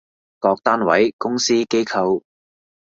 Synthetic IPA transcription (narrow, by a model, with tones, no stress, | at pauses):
kɔː˧k̚t̪aː˥nwɐ̰˨˥jkʊ˥ŋsiː˥ke˥jkʰɐ˧w